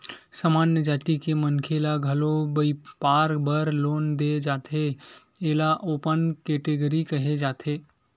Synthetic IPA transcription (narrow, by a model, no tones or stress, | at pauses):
samaːnjəd͡ʒaːt̪ikeməŋkʰelaɡʱəlobəipaːɾbəɾloːnd̪ed͡ʒaːt̪ʰe | eːlaʔoːpənkeʈeɡəɾikəɦed͡ʒaːt̪ʰeː